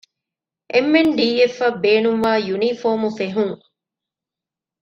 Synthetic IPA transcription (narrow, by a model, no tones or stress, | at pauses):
ʔemːenɖiːefːɐbeːnuŋʋaːjunifoːmufeɦuŋ